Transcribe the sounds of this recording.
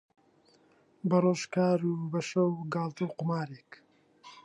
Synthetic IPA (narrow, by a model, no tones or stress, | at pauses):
bɐroːʃkaːɾubɐʃɐwɡɑːlˠt̪ɨwqʊmaːɾek